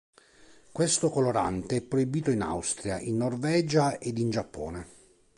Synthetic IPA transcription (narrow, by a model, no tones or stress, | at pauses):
kwest̪okoloɾa̰nt̪eɛpːɾoibiːt̪oina̰wst̪ɾijaʔinːorvɛːd͡ʒaed̪ind͡ʒapːɔ̰ːne